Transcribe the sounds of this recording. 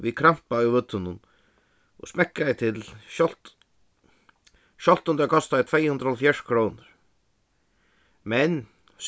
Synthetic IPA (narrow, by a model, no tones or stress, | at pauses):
vikʰɾam̥paʊvʏt̪ːʏnʊn | ʔɔ̰ɣsmɛhkːaðɪt̪ʰɪlʃɔlt̪ | ʃɔl̥t̪ʊnt̪akʰɔst̪aðɪt̪ʰvejhʉnd̪ɾahɔlfjaʂkʰɾownʊɾ̥ | mɛn | s